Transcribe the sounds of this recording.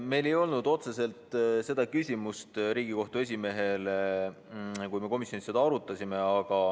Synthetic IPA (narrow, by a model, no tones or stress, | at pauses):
me̞jle̞jo̞lnud̪̥o̞t̪se̞se̞lt̪se̞d̪̥ɑkysʲimust̪ɾiːɡ̥iko̞ht̪ue̞s̬ʲime̞ɦe̞le | kujme̞ko̞misjo̞nised̪ɑɑɾut̪ːˑɑsʲime̞ɑɡ̥ɑ